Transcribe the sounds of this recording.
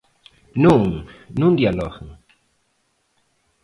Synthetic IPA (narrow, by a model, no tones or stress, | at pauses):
nuŋnund̪jalo̰χŋ